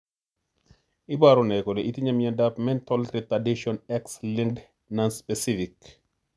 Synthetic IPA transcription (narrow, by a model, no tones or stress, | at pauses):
ibaɾunɛkɔlɛʔitiɲɐmjɐndapmɛntɔltɾitadiʃɔnɛksliŋd | nanspɛsifik